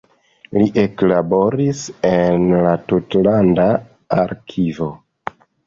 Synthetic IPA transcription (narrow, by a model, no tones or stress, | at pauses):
liʔe̞klabo̞ɾise̞nlatutlanda | aɾkʰivo̞